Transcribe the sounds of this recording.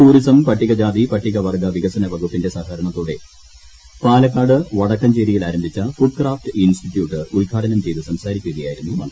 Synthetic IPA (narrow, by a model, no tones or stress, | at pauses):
t̪uːɾisɐmpɐʈːiɣɐd͡ʑaːd̪ipɐʈːiɣɐʋɐrɡɐʋiɣɐsɐnɐbʱɐɣupːinde̞saːɦɐɾɐɳɐt̪ːoːɽe̞ | paːlɐkːaːɽɨʋɐɽɐkːɐmt͡ɕeːɾijilaːɾɐmbʱit͡ɕːɐfuɖ̚kraːfʈɨinstiʈjuːʈːɨulkʰaːɖɐnɐmt͡ɕe̞jðɨsɐmsaːɾikʲːuɐðɐjaːjiɾunːuɐɳɖ